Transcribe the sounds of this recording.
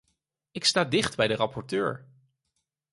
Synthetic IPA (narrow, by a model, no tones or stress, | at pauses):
ɪkstaːdɪχdbɛjdərɑpɔɹtø̰ːɹ